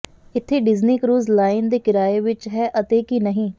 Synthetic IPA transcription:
ɪt̪ʰːeːɖɪzniːkɾuːzlaːɪnd̪eːkɪɾaːeːʋɪt͡ʃɦɛːʔət̪eːkinəɦĩː

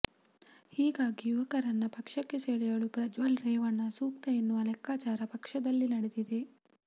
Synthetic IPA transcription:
hiːɡaːɡijuʋɐkɐɾɐnːɐpɐkʂɐkːe̞seːɭɛjɐɭupɾɐd͡ʒʋɐlɾeːʋɐɳːɐsuːk̚t̪ɐjenːuʋɐlɛkːaːt͡ʃaːɾɐpɐkʂɐd̪ɐlːinɐɽed̪id̪e̞

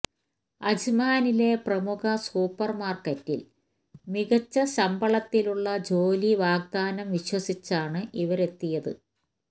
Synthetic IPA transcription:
ɐd͡ʑimaːnile̞prɐmukɐsuːpːɐrmaːrkɐtːḭl | miɣɐt͡ɕːɐɕɐmbɐɭɐt̪ːiluɭːɐd͡ʑo̞ːliʋaːɡ̚d̪aːnɐmʋiɕwɐsit͡ɕːaːɳɨʔiʋɐɾe̞t̪ːijɐðɨ̰

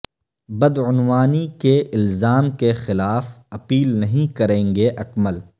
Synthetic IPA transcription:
bɐd̪ʊnwaːnikeʔɪlzaːmkexɪlaːfɐpiːlnɐɦĩkɐɾẽːŋɡeʔɐkməl

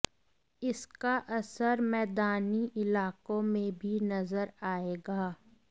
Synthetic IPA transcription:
ɪskaʔɐsəɾmɛːd̪aːniʔɪlaːkõmẽbʱinɐzəɾaːeːɡaː

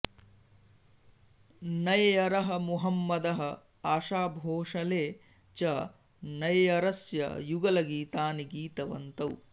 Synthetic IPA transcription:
nɐjjɐɾɐɦɐmuɦɐmːɐd̪ɐɦɐ̆ | aːʃaːbʱoːʂɐleː | t͡ʃɐ | nɐjɐɾɐsjɐ̰juɡɐlɐɡiːt̪aːniɡiːt̪ɐʋɐ̰nt̪ɐw

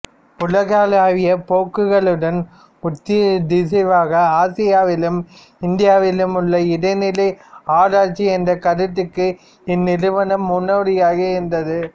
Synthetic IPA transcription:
ʊlɐɣaːlaːʋɪjɐpoːkːɯɣɐɭɯɽɐn | ʊt̪ːɪd̪ɪs̬ɐʋaːɣɐaːsɪjaːʋɪlɯm | ɪnd̪ɪjaːʋɪlɯmʊɭːɐɪɽɐɪnɪlɐɪaːɽaːɾt͡ʃːiɛndrɐkɐɾɯt̪ːɯkːɯ | ɪnːɪɾɯʋɐnɐmːʊnːoːɽɪjaːɣɐɪnd̪ɐðɯ

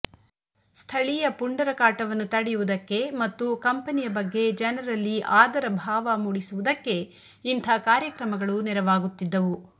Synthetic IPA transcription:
st̪ʰɐɭijɐpuɳɖɐɾɐkaːʈɐʋɐnːut̪ɐɽɛjuʋud̪ɐkːe̞mɐt̪ːukɐmpɐnijɐbɐɡːe̞d͡ʒɐnɐɾɐlːiʔaːd̪ɐɾɐbʱaːʋɐmuɽisuʋud̪ɐkːe̞ | int̪ʰɐkaːɾjɐkɾɐmɐɡɐɭuniɾɐʋaːɡut̪ːid̪ːɐʋu

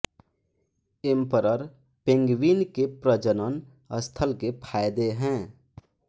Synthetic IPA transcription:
ɪmpəɾəɾ | pẽŋɡʋiːnkepɾəd͡ʒənən | əst̪ʰəlkepʰaːɪd̪eɦɛ̃ː

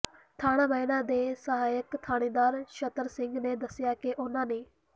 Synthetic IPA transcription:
t̪ʰaːɽ̃ãːməɪnãːd̪eːsəɦaːjəkt̪ʰaːɽ̃iːd̪aːɾʃət̪əɾsɪ̃ŋɡneːd̪əsɪjaːkeʔʊnãːneː

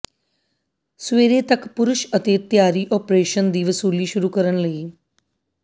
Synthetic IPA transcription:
sʋeːɾeːt̪əkpʊɾʊʃət̪et̪jaːɾiːʔɔpɾeːʃənd̪iːʋsuːliːʃʊɾuːkəɾəɳləiː

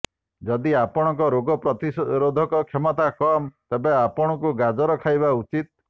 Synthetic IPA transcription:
d͡ʒɔd̪iapɔɽ̃ɔŋkɔɾoɡɔpɾɔt̪iɾod̪ʱɔkɔkʰemɔt̪akɔmt̪ebeapɔɽ̃ɔkuɡad͡ʒɔɾɔkʰajbaut͡ʃit̪̚

